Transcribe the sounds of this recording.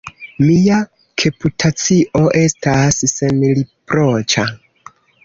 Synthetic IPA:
mia | kʰe̞putʰat͡siʔo̞ʔe̞stasːenlipɾot͡ʃa

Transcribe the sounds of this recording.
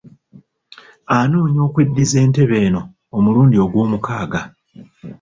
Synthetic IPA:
anuːɲo̞ːkwedːize̞ːnte̞βe̞ːno̞ː | muluːndio̞ɡwo̞ːmukaːɡa

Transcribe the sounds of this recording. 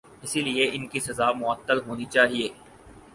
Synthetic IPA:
ɪsilieʔɪnkisɐzaːmʊət̪ːəlɦoːnit͡ʃaːɦieː

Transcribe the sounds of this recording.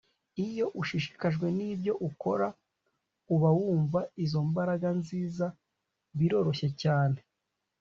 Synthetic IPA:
ijo̞ʔuʃiʃi̥kaʒɡwe̞nibɟo̞ʔuko̞ɾa | uβawuːɱvaizo̞mbaɾaɡanziːza | βiɾo̞ɾo̞çe̞caːne̞

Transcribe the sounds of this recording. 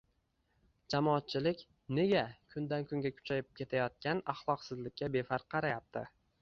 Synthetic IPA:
d͡ʒamɒːt̪̚t͡ʃʰɪlɪkʲ | ne̞ɡʲakʰʊnd̪ankʰʊŋɡʲakʲʰʊ̥t͡ʃʰajɪp̚kʲʰe̞t̪ʰajɒt̪̚kʲanɑχlˠɒqsɪzlɪkʲːabe̞faɾqʰːɑɾajap̚t̪ʰɪ̰

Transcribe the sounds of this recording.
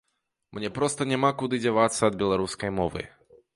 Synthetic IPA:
mnʲɛpɾɔst̪ɐnʲamakud̪ɨd͡zʲavat̪sːɐːd̪̚bʲɛlˠaɾuskɐjmɔvɨ̰

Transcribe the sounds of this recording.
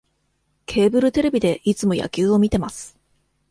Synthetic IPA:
kʰe̞ːbɯ̟ɾɯ̟t̪e̞ɾe̞bʲid̪e̞ʔit͡sɨmo̞ja̰kʲɨːo̞mʲit̪e̞masɨ̥

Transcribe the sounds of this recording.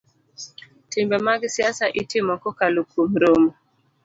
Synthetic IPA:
timbɛmaɡisiasaʔitimɔkɔkalukʰum̩ɾɔmɔ

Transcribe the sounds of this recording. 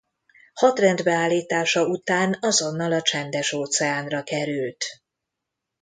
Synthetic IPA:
hɒt̪rɛnd̪bɛaːlːiːt̪aːʃɒut̪aːnɒzo̞nːɒlɒt͡ʃɛnd̪ɛʃoːt̪sɛaːnrɒkɛɾylt̪

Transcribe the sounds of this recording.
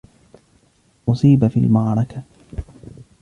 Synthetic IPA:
ʔʊsˤiːbafiːlmaʕɾˤɑka

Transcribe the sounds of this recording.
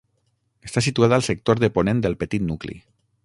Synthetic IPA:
əst̪asit̪uaðaəlˠsək̚t̪oɾðəponẽnd̪əlˠpət̪it̪nuklḭ

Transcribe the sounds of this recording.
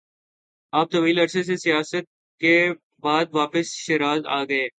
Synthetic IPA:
aːp̚t̪ɐʋiːlɐɾses̬esijaːsət̪̚ | ke | baːd̪̚ʋaːpəsʃeɾaːza̰ːɡɐeː

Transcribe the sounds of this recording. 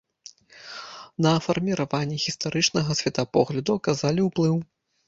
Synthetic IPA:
nɐfɐrmʲiɾavanʲːɛɣʲist̪aɾɨt͡ʂnɐɣɐsʲvʲɛt̪apɔɣlʲɐd̪uɐkazalʲiwplˠɨw

